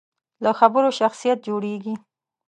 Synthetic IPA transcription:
ləxabəɾoʃaxsijat̪̚d͡ʒoɽeɡi

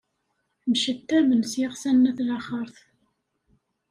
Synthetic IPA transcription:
mʃət̪ːæmənsjɪʁsænːæθlaχəɾˤθ

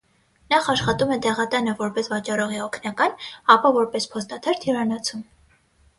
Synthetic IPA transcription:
nɑχɑʃχɑt̪umɛd̪ɛʁɑt̪ɑnəvɔɾpɛsvɑt͡ʃɑɾɔʁiɔkʰnɑkɑnɑpɑvɔɾpɛspʰɔst̪ɑt̪ʰɛɾt̪ʰjiɾɑnɑt͡sʰum

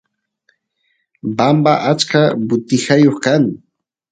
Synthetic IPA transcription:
bambaʔat͡ʃkabʊt̪ɪhajoχkaŋ

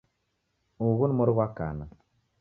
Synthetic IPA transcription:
uɣunmoɾɣwaka̰nə

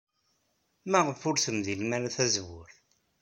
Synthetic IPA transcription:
mæʁəfʊɾθəmðilmænθæzwʊ̰ɾ

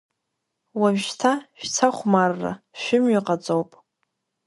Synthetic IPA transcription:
wamʒtʰaʃᶣt͡sʰaχʷmarːa̰ | ʃᶣɪmɥaqʼat͡sʼowpʼ

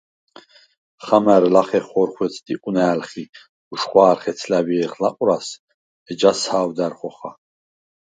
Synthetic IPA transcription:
χamɛɾlaχɛχɔɾχwɛt͡sʰʼd̪ikʼunaːlχi | uʃχwaːɾχɛt̪t͡sʰlæbiɛχlaqʼuɾas | ɛd͡ʒashaːwd̪æɾχɔχa

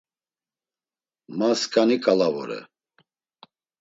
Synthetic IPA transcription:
maskʼanikʼalavɔ̰ɾɛ̰

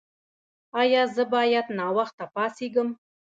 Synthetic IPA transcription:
ɑjɑzə̆bɑjɑt̪nɑwɑχt̪ɑpɑsiɡə̆m

